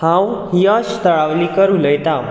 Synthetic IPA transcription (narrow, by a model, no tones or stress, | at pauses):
hãwɦiəɕt̪əɭaʋliːkəɾuːləjt̪a